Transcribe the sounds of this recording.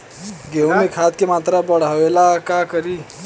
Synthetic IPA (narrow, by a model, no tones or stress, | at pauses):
ɡewmekʰat̪̚kemat̪ɾabəɽ̤aʋelakakəɾi